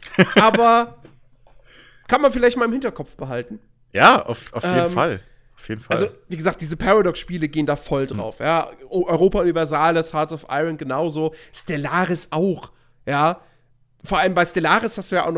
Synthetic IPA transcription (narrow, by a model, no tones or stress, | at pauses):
ʔaːbɐ | kʰanmanfɪlaɪçt̚maːlɪmhɪntɐkʰɔpp͡fb̥əɦaltn̩ | jaːʔa̰ʊfaʊfɛeːnːma̰l | ʔaʊfjeːdn̩fal̰lzoviːɡəzaːk̚t̚d̥iːzəpʰaʁadɔksʃpiːləɡeːəndaːfɔldʁa̰ʊfjaːʔʔɔʏʁoːpaʊnivɛɐzaːləsatsɔfʔa̰ɪʁənɡənaʊzoːstɛlaːʁɪsʔaʊx | jaː | foːɐʔaləmbaɪstɛlaːʁɪshasd̥uːjaʔaʊxnɔ